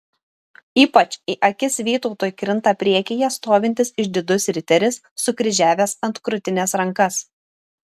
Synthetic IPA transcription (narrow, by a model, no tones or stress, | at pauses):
iːpɐt͡ʃʲiʔɐkʲɪsʋʲiːt̪ɔʊt̪oːjkɾʲɪnˑt̪ɑːpʲɾʲiɛkʲɪjɛst̪oːʋʲɪnʲt̪ʲɪsɪʃd̪ʲɪd̪ʊsʲɾʲɪt̪ʲɛɾʲɪsːʊkɾʲɪʒʲæːʋʲeːsɐnt̪kɾʊt̪ʲɪnʲɛsɾɐŋkɐs